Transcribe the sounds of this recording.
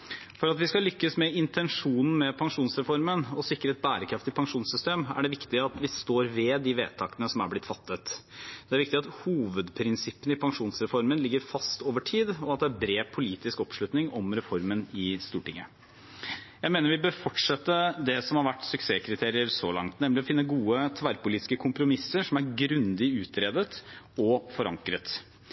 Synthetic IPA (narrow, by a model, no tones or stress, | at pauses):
fɔɾɑt̪ʋɪskɑlʏkːəsmɛɪnt̪ʰɛnʂuːnn̩mɛpʰɑŋʂuːnsɾɛfɔɾmənɔsɪkːɾəɛt̪̚bæːɾəkʰɾɑft̪ɪpʰɑŋʂuːnsʏst̪eːmæ̰ɖɛʋɪkt̪ɪɑt̪ʋɪst̪oːɾʋɛd̪ɪʋeːt̪ʰɑːkənəsɔmæɾblɪt̪ːfɑt̪ːət̪d̪̥ɛæɾʋɪkt̪ɪɑt̪huːʋəd̪pʰɾɪnsɪpːənəɪpʰɑŋʂuːnsɾɛfɔɾmənlɪɡːəɾfɑst̪oːʋəʈʰiːd̪ɔɑt̪̚d̪ɛæɾbɾeːpʰʊliːt̪ɪskɔpʂlʉt̪nɪŋʔɔmɾɛfɔɾmənɪst̪uːʈɪŋːə | jæɪmeːnəɾʋɪbøːɾfɔʈʂɛt̪ːəd̪ɛsɔmhɑɾʋæʈːsʏkseːkʰɾɪt̪ʰeːɾɪəɾsɔlɑ̰ŋt̪nɛmlɪɔfɪnːəɡuːət̪ʰʋæɾpʊliːt̪ɪ̥skəkʰʊmpɾʊmɪsːəɾʂɔmæɾɡɾʉnd̪ɪʉːt̪ɾeːd̪ət̪ | ɔfɔɾɑ̰ŋkɾət̪